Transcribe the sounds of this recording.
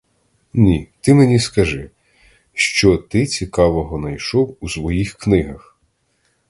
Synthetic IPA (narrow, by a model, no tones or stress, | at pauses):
nʲit̪ɪmenʲiskɐʒɪ | ʃt͡ʃɔt̪ɪt͡sʲikɑʋɔɦɔnɐjʃɔwusʋɔjixknɪɦɐx